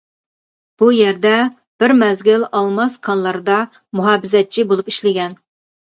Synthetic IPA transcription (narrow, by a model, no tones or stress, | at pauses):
b̥ujɛɾd̪ɛ | b̥ɪɾmɛzɡʲɪlɑlˠmɑskʰɑnlˠɑɾɨd̪ɑ | muɦɑːbɪzɛt̪̚t͡ʃʰibolˠupi̥ʃlɪɡʲɛn